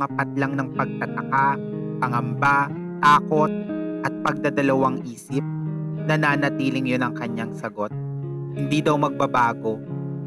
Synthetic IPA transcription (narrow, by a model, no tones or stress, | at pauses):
ɐpɐt̪̚lɐŋnɐŋpɐɡ̚t̪ɐt̪ɐka | pɐŋɐmba | t̪aːko̞t̪̚ʔɐt̪̚pɐɡ̚d̪ɐd̪ɐlɐwaŋʔiːsɪp̚nɐnaːnɐt̪iːlɪŋjonɐŋkɐɲːaŋsɐɡo̞t̪̚hɪnd̪id̪ɐwmɐɡ̚bɐbaːɡo̞